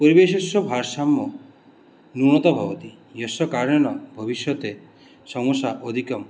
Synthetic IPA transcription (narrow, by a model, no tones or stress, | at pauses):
poɾibesesjɔbʱaɾsamːɔ | nuɽ̃ɔt̪ɔbʱɔbɔt̪i | jɔsɔkaɾjɔɽ̃ɔbʱɔbiʃjɔt̪e | sɔŋɔsaʔɔd̪ʱikɔm